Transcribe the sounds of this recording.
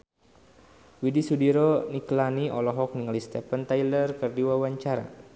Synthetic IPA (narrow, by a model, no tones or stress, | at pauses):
widisudiɾɔniklaniʔɔlɔɦɔk̚niŋalist̪ɛpənt̪ajlərkɨrdiwawaɲt͡ʃaɾa̰